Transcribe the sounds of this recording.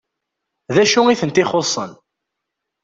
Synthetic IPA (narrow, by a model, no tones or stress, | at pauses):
ðæʃʊiθənt̪ɪχosˤən